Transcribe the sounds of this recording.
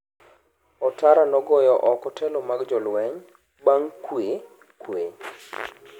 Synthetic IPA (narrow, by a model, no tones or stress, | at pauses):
ɔtaɾanɔɡɔjɔʔɔkɔtʰɛlɔmaɡd͡ʒɔlwɛɲ | baŋkwe | kwe